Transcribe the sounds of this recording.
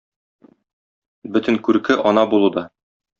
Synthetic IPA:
bɵt̪ɘ̆ŋkʉɾkɘʔɒnɑbulˠud̪ɑ

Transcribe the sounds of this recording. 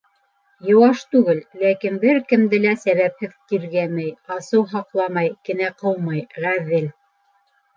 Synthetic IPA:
jɤ̆wɑʃt̪ʉɡɘlːækinbɘɾkɘ̆md̪ɘlæsæβæp̚hɘðkiɾɡæmɘjɑsɤwɦɑqlˠɑmɑjkɘ̆næqɤw̪mɑjʁæðɘl

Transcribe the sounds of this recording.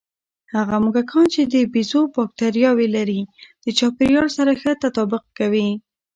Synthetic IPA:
haɣamʊkakʰɑnt͡ʃed̪əbizobɑk̚t̪aɾjɑwelaɾid̪̥ət͡ʃɑpɪɾjɑɽsaɾaxət̪at̪ɑbʊq̚kawi

